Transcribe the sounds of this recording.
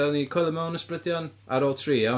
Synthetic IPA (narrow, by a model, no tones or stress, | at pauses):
ɛnikʰɔjlˠəmawnəsprədjanaɾɔːlˠtʰriːa